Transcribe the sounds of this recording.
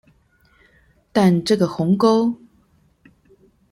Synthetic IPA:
t̪a˥˧nʈ͡ʂɤ˥˩ɡə˩xʊ˨˧˥ŋko˥ʊ

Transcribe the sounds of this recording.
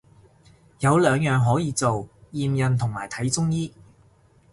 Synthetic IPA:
jɐ˨˧wlœː˨˧ŋjœː˨ŋɦɔː˨˥jiː˨˧t͡so˨wjiː˨mjɐ˨nt̪ʰʊ˨˩ŋmaː˨˩jt̪ʰɐ˨˥jt͡sʊ˥ŋjiː˥

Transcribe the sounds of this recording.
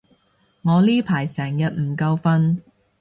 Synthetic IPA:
ŋɔː˨˧liː˥pʰaː˨˩jsɛː˨˩ŋjɐ˨t̚m̩˨˩kɐ˧wfɐ˧n

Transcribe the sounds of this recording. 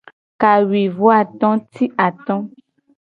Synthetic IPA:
ka˨wi˨vo˦a˦˨t̪ɔ̃˦ti˦ʔa˨t̪ɔ̃˦

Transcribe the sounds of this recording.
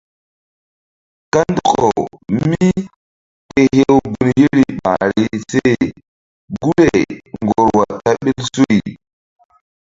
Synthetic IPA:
ka˦ndo˦kɔ̰˨mi˦ | te˨he˦wbu˨nje˦ɾi˨ɓa̰˨ɾi˦se˦j | ɡu˦le˨ŋɡoɔ˨ɾwa˨ta˦ɓe˦lso˦i˨

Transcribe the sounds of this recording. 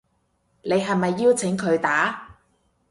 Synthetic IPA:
ne˨˧jɦɐ˨jmɐ˨jːiː˥wt͡sʰɪ˨˥ŋkʰɵ˨˧ɥt̪aː˨˥

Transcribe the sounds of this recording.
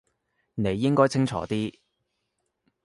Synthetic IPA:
ne˨˧jːɪ˥ŋkɔː˥jt͡sʰɪ˥ŋt͡ʃʰɔ̰ː˨˥t̪iː˥

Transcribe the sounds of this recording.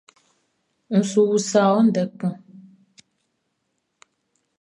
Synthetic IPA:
ŋ̩˨su˨wu˨sa˨wɔ˦n̩˦dɛ˨k͡pũ˦˨

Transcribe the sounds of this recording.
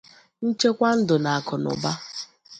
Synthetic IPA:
n̩˦t͡ʃe˦kʷa˦n̩˦dʊ˨na˨a˨kʊ˨nʊ̰˨ba˦

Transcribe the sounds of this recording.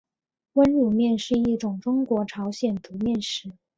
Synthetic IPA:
wə˥nɻu˨˩mjɛ˥˧nʂɻ̩˥˧i˥˩ʈ͡ʂʊ˨˩ŋʈ͡ʂʊ˥ŋkwɔ˧˥ʈ͡ʂʰɑ˧˥ʊɕjɛ˨˩nt̪ʰu˧˥mjɛ˥˩nʂɻ̩˧˥

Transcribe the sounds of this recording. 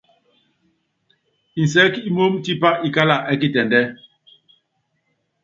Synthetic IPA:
i˨n˨s̬ɛ˦ki˦mo˦mti˦pa˦i˨ka˦la˨ʔɛ˦k̬i˦˨tɛ˨ndɛ˦

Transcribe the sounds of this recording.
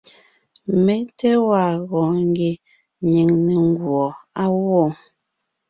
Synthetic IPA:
me˦tɛ˦wa˨ɣɔ̃˨ŋ˦ɡe˨ | ɲe˨ŋne˨ŋ˦ɡwɔ˨a˦wɔ˦˨

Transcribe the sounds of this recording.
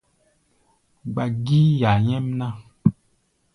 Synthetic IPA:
ɡ͡ba˨ɡi˦ja˨ɲɛ˦mnã˦˨

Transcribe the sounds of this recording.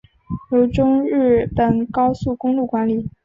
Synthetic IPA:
jo˧˥ʊʈ͡ʂʊ˥ŋɻɻ̩˥˩pə˨˩nkɑ˥ʊsu˥˩kʊ˥ŋlu˥˩kwa˧˥nli˨˩˦

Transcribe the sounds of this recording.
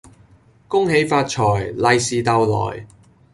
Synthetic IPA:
kʊ˥ŋɦe˨˧˥jfaː˧t̚t͡ʃʰɔː˨˩jlɐ˧jsiː˨t̪ɐ˧wlɔ̰ː˨˩j

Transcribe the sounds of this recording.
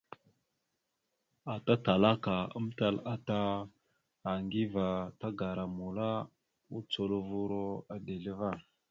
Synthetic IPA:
a˨ta˦ta˨la˦ka˨ə̰˦mta˦la˦taː˦˨ | ŋɡi˦va˨ta˦ɡa˨ɾa˨mu˨la˦ | u˦t͡so˨lo˦vu˦ɾo˦a˨de˨li˦va˦˨

